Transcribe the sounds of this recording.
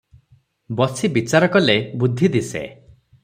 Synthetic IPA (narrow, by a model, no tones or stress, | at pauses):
bɔsibit͡ʃaɾɔkɔlebud̪ʱid̪isḛ